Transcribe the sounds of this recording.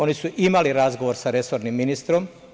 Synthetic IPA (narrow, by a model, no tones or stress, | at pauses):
o̞nisuʔimaliɾazɡo̞ʋoɾsaɾe̞so̞ɾnimːinist̪ɾo̞m